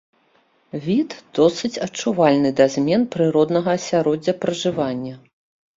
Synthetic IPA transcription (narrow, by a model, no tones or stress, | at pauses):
vʲit̪d̪̥ɔsɨt͡sʲɐt͡ʂːuvalʲnɨd̪azʲmʲɛnpɾɨɾɔd̪nɐɣɐːsʲaɾɔd͡zʲːɐpɾɐʐɨvanʲːɐ